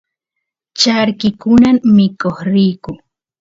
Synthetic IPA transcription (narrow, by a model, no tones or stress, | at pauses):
t͡ʃaɾkɪkʊnammɪkoχɾiːkʊ